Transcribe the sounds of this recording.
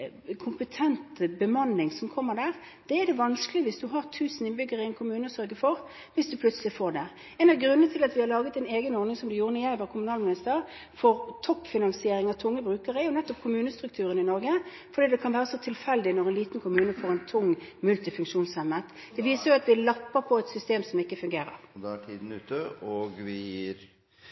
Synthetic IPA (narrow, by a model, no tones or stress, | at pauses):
kʰʊmpət̪ʰɛnt̪bəmɑnːɪŋsɔmkʰɔmːəʁd̪æːʁ | d̪̥ɛɛd̪ɛʋɑnskəlɪʋɪsd̪ʉɦɑʁt̪ʰʉːsənɪnbʏɡəʁɪɛnkʰʊmʉːnəsœɾɡəfɔʁ | ʋɪsd̪ʉpʰlʉt̪səlɪfoːɖɛ | ɛːnɑɾɡʁʉnənət̪ʰɪlɑt̪ʋɪhɑʁlɑːɡət̪ɛneːɡənɔːɾnɪŋsɔmd̪ʉjuːʁənɪjæɪʋɑʁkʰʊmʉnɑːlmɪnɪst̪əʁ | fɔʁt̪ʰɔpːfɪnɑnsɪeːɾɪŋɑt̪ʰʊŋːəbʁʉːkəʁəjʊnɛt̪ːɔp̚kʰʊmʉːnəst̪ɾʉk̚t̪ʰʉːɾənɪnɔɾɡə | fɔɾd̪iːd̪ɛkʰɑnʋæːʁəsɔt̪ʰɪlfɛld̪ɪnɔʁɛnliːt̪nkʰʊmʉːnəfoːʁɛnt̪ʰʊŋːmʉlt̪ɪfʉŋkʂuːnsɛmːət̪ | d̪̥ɛʋiːsəjʊɑt̪ʋɪlɑpːəpʰɔɛt̪sʏst̪eːmsɔmɪkːəfʉŋɡeːɾə̰ʁd̪ɛæʈʰiːd̪n̩ʉ̰ːt̪əoɡʋɪjiɾ